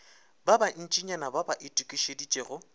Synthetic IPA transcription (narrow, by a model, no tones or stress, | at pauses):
baban̩t͡ʃʼiɲanababaʔɪtʼukʼiʃedit͡ʃʼeːɣʊ